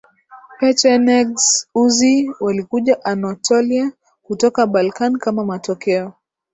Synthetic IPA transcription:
pɛt͡ʃɛnɛɡsuziwalikuʄaʔanɔtʰɔlia | kutɔkaɓalkanikamamatɔkɛɔ

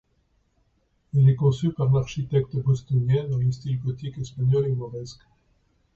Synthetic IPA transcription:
ɛlɛkɔ̃sypaʁlaʁʃit̪ɛk̚t̪əbɔst̪ɔnjɛ̃d̪ɑ̃ləst̪ilɡɔt̪ikɛspaɲɔleɡmɔʁɛsk

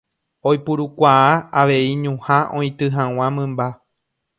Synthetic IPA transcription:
ojpuɾukʷaaaʋe̞iɲũhãʔõ̞ĩt̪ɨɦãw̃ãmɨ̃mba

